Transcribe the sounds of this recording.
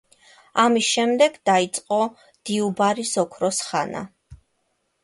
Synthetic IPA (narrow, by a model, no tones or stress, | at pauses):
amisʃɛmd̪ɛɡd̪ait̪sʼqʼɔ | d̪̥iubaɾisɔkʰɾɔsχana̰